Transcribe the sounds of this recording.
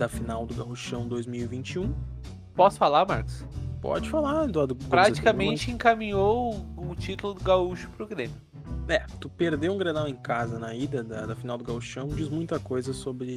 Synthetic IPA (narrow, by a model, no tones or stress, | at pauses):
d̪ɐfinawd̪ʊɡauʃɐ̃w̃d̪ojzmiwivĩnt͡ʃiũ | pɔsʊ̥falaɾmaɾkʊ̥spɔ̰d͡ʒɪfalad̪ʊad̪ʊkpɾat͡ʃt͡ʃi̥kɐmẽnt͡ʃɪẽŋkamĩɲowʊt͡ʃit̪ʊlʊd̪ʊɡauʃʊ̥pɾʊɡɾẽmjʊ | ɛt̪upeɾd̪ewũɡɾed̪awẽj̃kazɐnɐid̪ɐd̪ɐd̪ɐfinawd̪ʊɡauʃɐ̃w̃d͡ʒizmũj̃t̪ɐkojzɐsobɾɪ